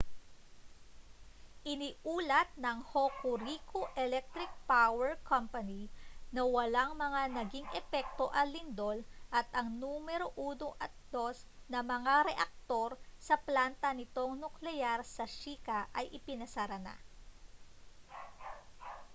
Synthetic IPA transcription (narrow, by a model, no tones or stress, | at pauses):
ʔɪnɪʔuːlɐt̪̚nɐŋhokʊɾikʰoʔɛlɛk̚t̪ɾɪk̚pawɛɹkʰɐmpɐninɐwɐlaŋmɐŋanɐɡiŋʔɛpɛk̚t̪o̞ʔɐlɪnd̪o̞lʔɐt̪ʔɐŋnumɛɾo̞ʔuːnoʔɐt̪̚d̪o̞s | nɐmɐŋaɾɛʔɐk̚t̪o̞ɾsɐplant̪ɐnɪt̪o̞ŋnʊklɛjaɾsɐʃiːkɐʔɐjʔɪpɪnɐsɐɾɐna̰